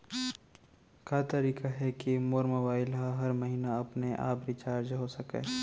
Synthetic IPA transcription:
kaːt̪ɐɾiːkaɦɛkimoːɾmobaːɪlɦaɦɐɾmɐɦiːnaɐpneʔa̰ːpɾit͡ʃaːɾd͡ʒɦosɐkḛː

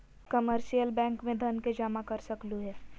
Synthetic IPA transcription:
kɐməɾʃijəlbɛ̃ːŋkmẽd̪ʱɐnked͡ʒaːmãkɐɾsɐkluɦɛː

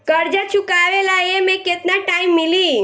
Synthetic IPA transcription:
kəɾd͡ʒat͡ʃʰukaʋelajemẽket̪naʈaɪmːili

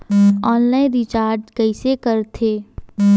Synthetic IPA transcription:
ɔːnlaːɪ̃nɾit͡ʃaːɾʈkəɪsekəɾt̪ʰeː

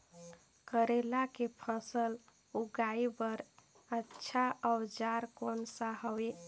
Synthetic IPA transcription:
kəɾelakepʰəsəl | uɡaibəɾ | ətːʃʰaad͡ʒaɾkonsaɦəwe

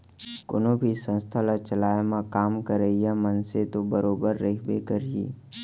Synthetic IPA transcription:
kʊ̰nõbʱisə̃nst̪ʰalat͡ʃəlaːemãkaːmkəɾeijamənset̪obəɾoːbəɾːəibekəɾiḛː

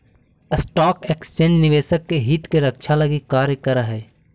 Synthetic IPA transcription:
əsʈaːkeːksennɪʋeːsəkːeɦit̪keɾɐkʃʰalɐɡikaːɾjəkəɾəɦɛː

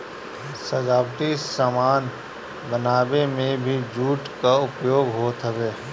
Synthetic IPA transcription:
səd͡ʒaːbʈisəmaːn | bənaːbemẽbʱid͡ʒuːʈkaʊpjoːɡɦoːt̪ɦəbeː

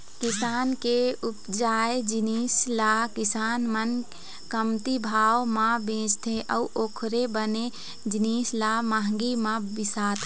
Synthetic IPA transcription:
kɪsaːnkeupd͡ʒaːed͡ʒiniːslakɪsaːnmən | kəmt̪ibʱaːwmãbẽːd͡ʒt̪ʰeʔəuʔoːkʰɾebəne | d͡ʒiniːslamaɦəŋɡimãbɪsaːt̪ʰ

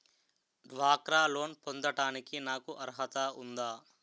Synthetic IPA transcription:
ɖʋaːkɾaːlo̞ːnpond̪ɐʈaːnikinaːkuʔɐɾɦɐt̪ɐund̪aː

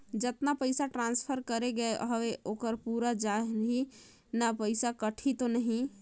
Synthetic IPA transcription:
d͡ʒət̪napəɪsaʈɾãnspʰəɾkəɾeɡəeʔəɦʋeʔoːkəɾpuɾad͡ʒaɦnɦi | napəɪsakəʈʰit̪onəɦĩ

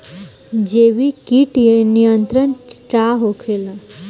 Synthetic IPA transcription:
d͡ʑeʋiːkiːʈjenijənt̪ɾəɳʈaɦokʰelə

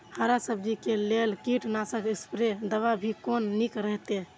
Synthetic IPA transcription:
həɾasəbd͡ʒikelelkiʈnasəkispɾed̪əβabʱikonːikɾəɦt̪e

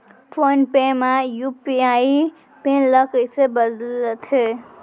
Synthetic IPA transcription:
pʰonpẽmajupiai | pẽləkəjsebəd̪lt̪ʰe

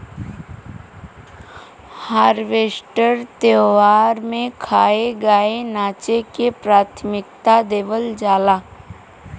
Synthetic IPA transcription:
haːɾʋeːsʈəɾt̪eːʋaːɾmẽkʰaːeɡaːenaːt͡ʃekepɾaːt̪ʰmɪk̚t̪ad̪eːʋəld͡ʒaːlaː

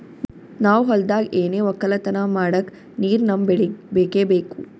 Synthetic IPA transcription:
naːwɦɔld̪aːɡeːneːʋɔkːɐlɐt̪ɐnamaːɽɐk | niːɾnɐmbbekeːbeːku

